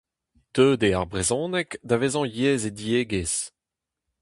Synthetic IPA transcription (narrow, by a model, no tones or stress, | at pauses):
t̪øːd̪eaʁbʁezɔ̃ːnɛkd̪avezɔ̃jeːzed̪ieːɡez